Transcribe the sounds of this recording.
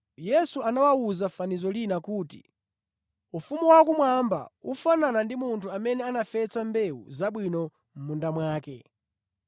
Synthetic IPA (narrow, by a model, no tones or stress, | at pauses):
jɛsuanawawuzafanizɔlinakuːtḭ | ufumuwakumwamba̰ufananandimuntʰuamɛnɛanafɛt͡sambɛṵzaɓwinɔ | m̩mundamwaːkɛ